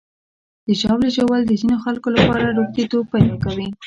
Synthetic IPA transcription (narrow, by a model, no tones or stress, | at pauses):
d̪̥əʒɑwleʒawəld̪əzinoxalkolapɑɾaɾoxt̪it̪ok̚pajd̪ɑkawi